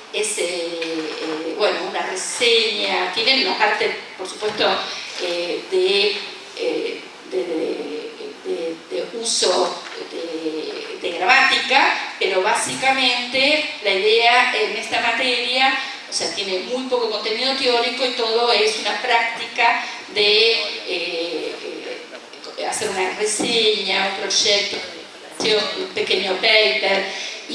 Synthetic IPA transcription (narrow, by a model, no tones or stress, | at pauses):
ese | ebwenounareseɲat̪jenenopalt̪epoɾsu̥pwest̪oeðe | e | d̪eðe | ded̪eusod̪e | d̪eɣɾamat̪ikapeɾoβasikamẽnt̪elaiðeaenest̪amat̪eɾja | oseat̪je̞nemujpo̞koko̞nt̪e̞niðot̪eoɾiko̞it̪o̞ðoesunapɾak̚t̪ika | ðe | ḛ | aseɾunareseɲaumpɾo̞ʃek̚t̪oðeeolasjonṵmpekeɲopejt̪eɾi